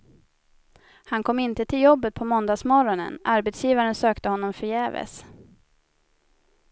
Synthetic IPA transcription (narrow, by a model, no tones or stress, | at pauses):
hankʰɔmːɪnt̪ət̪ʰɪljɔbːət̪̚pʰɔmɔnd̪aːsmɔɾɔnə̰naɾbɛt̪sjiːvaɾənsøːkt̪əhɔnːɔmfœjɛːvə̰s